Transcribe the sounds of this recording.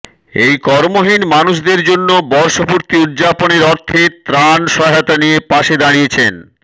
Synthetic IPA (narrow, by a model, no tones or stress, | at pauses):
ejkɔɾmoɦinmanuʃd̪eɾd͡ʑonːobɔɾʃopuɾt̪iud̪d͡ʑaponeɾɔɾt̪ʰet̪ɾanʃɔɦat̪anijepaʃed̪aɽijet͡ɕʰen